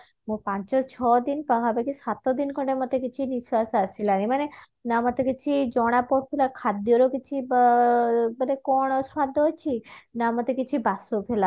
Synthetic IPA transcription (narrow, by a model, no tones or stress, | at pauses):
mõpãɲt͡ʃɔt͡ʃʰɔd̪inpakʰabekisat̪ɔd̪inkʰɔɳʈemot̪ekit͡ʃʰiniswasasilanemane | namɔt̪ekit͡ʃʰid͡ʒɔɽ̃apɔp̪ʰelakʰad̪ijɔɾokit͡ʃʰib | banekɔɽ̃ɔswad̪ʱːɔɦojt͡ʃʰinamot̪ekit͡ʃʰibasopʰela